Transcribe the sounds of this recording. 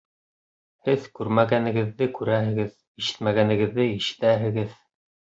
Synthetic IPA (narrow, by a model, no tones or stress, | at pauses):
hɘðkʉɾmæɡænɘ̆ɡɘ̆ðːɘkʉɾæɦɘ̆ɡɘð | iʃɘ̥t̪mæɡænɘ̆ɡɘ̆ðːɘiʃɘ̥̆t̪æɦɘ̆ɡɘð